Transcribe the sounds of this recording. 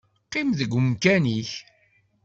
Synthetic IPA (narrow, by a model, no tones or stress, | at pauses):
qɪmðəɡʷmkæniç